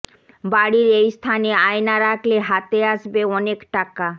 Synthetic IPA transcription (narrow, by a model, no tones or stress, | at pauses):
baɽiɾejst̪ʰaneajnaɾakʰleɦat̪eaʃbeɔnekʈaka